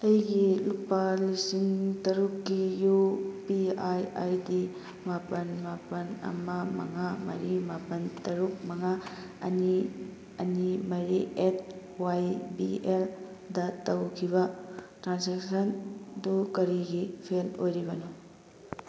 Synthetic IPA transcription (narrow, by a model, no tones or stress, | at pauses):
ɐjɡilupɐlisiŋtɐɾukːijupiajajdi | mapɐnmapɐnɐ̰mɐmɐ̰ŋamɐ̰ɾimapɐntɐɾuk̚mɐŋa | ɐ̰ni | ɐnimɐɾiʔet̚ | wajbiel | dɐtɐwkʰiβɐtɾanseksɐndukɐɾiɡipʰelojɾibɐnu